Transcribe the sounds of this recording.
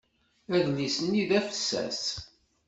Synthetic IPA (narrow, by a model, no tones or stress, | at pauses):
æðnisənːiðæfəsːæ̰s